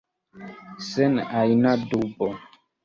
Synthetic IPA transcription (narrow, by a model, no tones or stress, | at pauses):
sɛnajnadubɔ